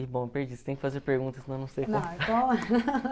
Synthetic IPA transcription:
ibõpeɾd͡ʒist̪ẽj̃kɪfazeɾpeɾɡũnt̪ɐsɪnɐ̃w̃nɐ̃w̃sejknõw̃tɐ̃ɛ

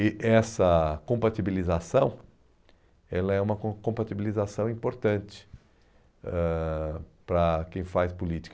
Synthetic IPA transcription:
ɪʔɛsɐkõmpat̪ibilizasɐ̃w̃ | ɛlɐɛũmɐkõkõpat̪ibilizasɐ̃w̃ĩpoɾt̪ɐ̃t͡ʃɪ̥ | ɛ | pɾɐkẽj̃fajspulit͡ʃi̥k

